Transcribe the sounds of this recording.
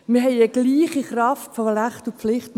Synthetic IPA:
mɪɐɦɛɪəɡ̥liːχiχrɑftfɔlaχtuflɪχt

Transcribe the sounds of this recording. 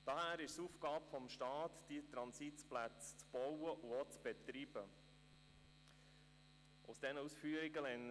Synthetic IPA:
d̥ɑhæːɾɪʃsuːfɡ̥ɑːbəfɔmʃtɑːt̪d̥it̪ɾɑnsitplæt͡st͡sb̥ɔwəʔuot͡sb̥et̪ɾiːb̥ə | ʔʊsd̥ɛnəusfyːəɾiɡəlɛn

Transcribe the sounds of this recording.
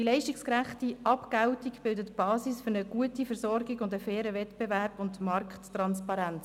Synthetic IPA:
d̥ilɛɪʃtikskræχtiʔɑpkæwtikb̥ɪldətb̥ɑːsisfʏɾnəɡ̥uətifəɾsɔɾɡiɡʊndəfɛːɾəvɛtb̥eværb̥ʊndmɑrkχttrɑnspɑɾɛnt͡s

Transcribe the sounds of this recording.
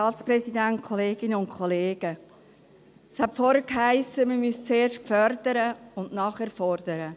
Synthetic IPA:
ɑːtsprɛsidænt̚kʰɔleːɡ̥ɪnəʊnkʰɔleːɡ̥ə | shætfɔɾəkɦaɪsəməmyst͡seːɾʃkfœrd̥əɾəʊnnɑːχɛːɾfɔrd̥əɾə

